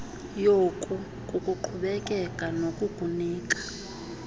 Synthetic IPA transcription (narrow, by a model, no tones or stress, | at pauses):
jɔkʼu | kʼukʼuǃʰuɓɛkʼɛkʼanokʼuɡ̥ʱuniːkʼḁ